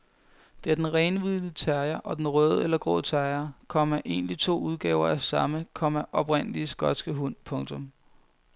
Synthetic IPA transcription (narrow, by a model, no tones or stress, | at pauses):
d̥e̝æɐd̥enʁɛɪnʋiðˠlət͡sʰæɐɪɐʔɒ̽d̥enʁœːð̞ˠəelɐɡ̥ʁɔ̰ːt͡sʰæɐɪɐkʰɒ̽m̰æʔe̝ːnlit͡sʰo̝̰ːuð̞ˠɡ̥ɛ̰ːʊɐæsɑ̈məkʰɒ̽m̰æʔɒ̽b̥ʁen̰əliəsɡ̥ɒ̽d̥sɡ̥əɦun̰pʰɔ̽ŋt͡sʰɔ̽m